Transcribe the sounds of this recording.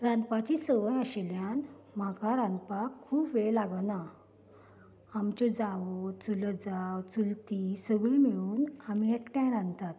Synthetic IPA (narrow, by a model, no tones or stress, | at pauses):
ɾãnd̪pat͡ɕisəʋəjəɕeljan | makaɾãnd̪pakʰːuːpʋeɭlaɡəna | amt͡ɕɔd͡zaʋt͡suləd͡zawt͡sult̪isəɡɭimiɭuːnamiekʈjãɾãnt̪at̪